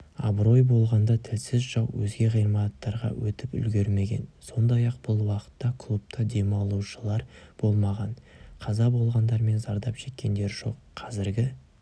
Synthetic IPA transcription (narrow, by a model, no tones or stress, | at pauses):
ɑ̰bɾo̞jbo̞lˠʁɑnd̪ɑt̪ʰɪlsɪzʒɑwwɵzɡʲe̞ʁəjɾmɑt̪ːɑɾʁɑ̰wɵt̪ɪpʏ̰lɡʲe̞ɾme̞ɡʲe̞̰nso̞nd̪ɑjɑq̚bʊlˠwɑqə̥t̪ːɑkʰlˠup̚t̪ʰɑd̪e̞mɑlˠuʃəlˠɑɾb̥o̞lˠmɑʁɑnqʰɑzɑbo̞lˠʁɑnd̪ɑɾme̞nzɑɾd̪ɑpʃe̞kʲːe̞nd̪e̞ɾʒo̞̰qːʰɑzɪɾɡʲɪ